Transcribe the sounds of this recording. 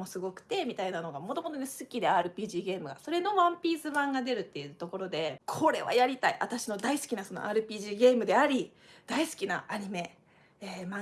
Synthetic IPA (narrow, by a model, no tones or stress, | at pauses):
mo̞sɨɡo̞kɯ̟̥t̪e̞mʲit̪ainano̞ɡamo̞t̪o̞mo̞t̪o̞nesɨkʲid̪e̞aːɾɯ̟pʲiːʑiːɡe̞ːmɯ̟ɡa̰so̞ɾe̞no̞βãmpʲiːzɨβãŋɡad̪e̞ɾɯ̟t̪ːe̞jɯ̟t̪o̞ko̞ɾo̞d̪e̞kʰo̞ɾe̞βa̰jaɾʲit̪aiʔat̪aɕino̞d̪aisɨ̥kʲinaso̞no̞̰ʔa̰ːɾɯ̟pʲiːʑiːɡe̞ːmɯ̟d̪e̞aɾʲi | d̪̥aisɨ̥kʲinaʔaɲ̟ime̞ | eːmã